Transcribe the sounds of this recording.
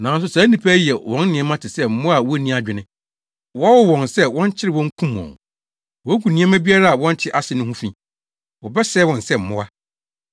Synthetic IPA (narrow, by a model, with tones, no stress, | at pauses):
nã˨n˦s̬ʊ˨saː˨˦nĩ˨pʰæ˦jɛ˨wɔ̃˦n˦nɪ̃˨ɛ̃˦mã˦tʰɪ˨sɛ˦m̩˦mʊ̃˦a˨wɔ˦nĩ˦a˨d͡ʑᶣɪ˨nɪ̃˦ | wɔ˦a˦wʊ˦wɔ̃˨nsɛ˦wɔ̃˦n˦t͡ɕʰɪ˦ɾɪ˨wɔ̃˦ŋ˦kʰũ˦m˨ɔ̰̃˨n | wɔ˨˦ku˨nĩ˦ɛ̃˦mã˦bi˦a˦ɾa˦a˨wɔ̃˦n˦t͡ɕʰɪ˦ʔa˦sɪ˨nʊ̃˦hũ˦fĩ˦˨ | wɔ˨bɛ˦sɛː˦wɔ̃˨nsɛ˦˨m̩˨mʊ̃˦a˦